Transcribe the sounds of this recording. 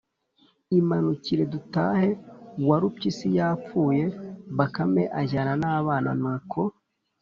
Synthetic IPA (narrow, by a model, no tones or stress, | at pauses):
imanuciɾe̞dutaːhe̞waɾupcisijaːp͡fuːje̞βakame̞ʔaʒananaːβaːna̰nuːkʰo̞